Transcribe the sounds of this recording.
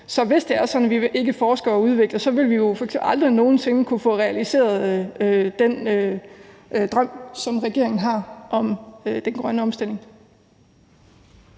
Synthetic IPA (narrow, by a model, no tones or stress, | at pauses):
sɒ̽ʋe̝sd̥e̝æɐsɒ̽d̥n̩ʋiʋʔe̝ɡ̥əfɒːsɡ̥ɐɒuð̞ˠʋe̝ɡ̥lɐsɒ̽ʋe̝lʋijo̝fɒ̽eɡ̥sembɑ̈ld̥ʁino̝ːn̩se̝nəkʰufɔ̽ʁɛælise̝̰ːɐðˠød̥enø | d̥ʁɶm̰sɒ̽mʁɛɡ̥e̝̰ɐe̝ŋn̩ɦɑ̈ʔɒ̽mød̥enɡ̥ʁɶnəɒ̽msd̥el̰e̝ŋ